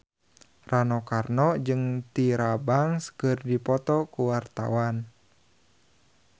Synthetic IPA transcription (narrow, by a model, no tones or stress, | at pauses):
ranɔkarnɔd͡ʒɨŋt̪iɾabaŋskɨrdipɔt̪ɔkuwart̪a̰wan